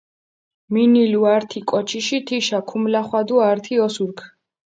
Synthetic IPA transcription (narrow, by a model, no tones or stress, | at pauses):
miniluaɾt̪ʰikʼɔt͡ʃʰiʃit̪ʰiʃakʰumlaχwad̪uaɾt̪ʰiɔsuɾkʰ